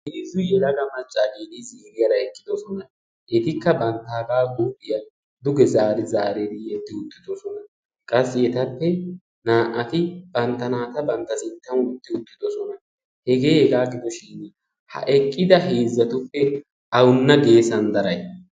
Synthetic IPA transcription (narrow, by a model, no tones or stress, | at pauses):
heːzːʊjɛlɐɡɐmɐt͡ʃʼːaːɡiːd̪ɪziːɾɪjɐɾɐɛkʼːɪd̪ɔsɔnɐ | ʔɛt̪ɪkːɐbɐnt̪ːaːɡaːɡuːʔɪjɐ | d̪ʊɡɛzaːɾɪzaːɾed̪ɪɛt̪ːɪʊt̪ːɪd̪ɔsɔnɐ | kʼɐsːɪɛt̪ɐpːɛ | naːʔɐt̪ɪb̥ɐnt̪ːɐnaːt̪ɐbɐnt̪ːɐsɪnt̪ːɐnʊt̪ːɪʊt̪ːɪd̪ɔsɔnɐ | hɛɡe̞ːhɛɡaːɡɪd̪ɔʃɪn | hɐ̰ʔɛkʼːɪd̪ɐɦe̞ːzːɐt̪ʊpːɛ | ʔɐwʊnːɐɡe̞ːsɐnd̪ɐɾɐj